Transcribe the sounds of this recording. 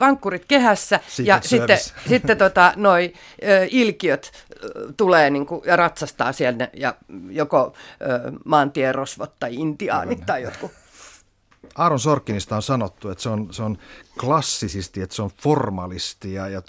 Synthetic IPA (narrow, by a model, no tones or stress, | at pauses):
ʋɑŋkːurit̪kehæsːæjɑsiːesit̪ːet̪ot̪ɑnoi | øːʔilkiøt̪t̪uleːniŋkujɑrɑt̪sɑst̪ɑːsielnejɑjokoøːmɑːnt̪ierosʋot̪ːɑiint̪iɑ̰ːnit̪t̪ɑijot̪ku | ɑːɾunsorkːinist̪ɑonsɑnot̪ːuet̪seonseonklɑsːisist̪iet̪seonformɑlist̪ijɑjɑ